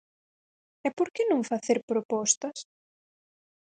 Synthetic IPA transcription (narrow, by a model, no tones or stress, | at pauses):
ɛpoɾkɪnõŋfaθeɾpɾopɔst̪ɐs